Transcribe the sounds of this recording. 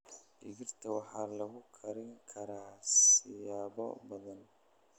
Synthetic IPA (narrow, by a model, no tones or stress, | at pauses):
ʔɪɣɪrt̪ʰɐwɑħɑːlɐɣʊkʰɐɾɪŋkʰɐɾaːsɪjaːβɔ̰bɐðɐn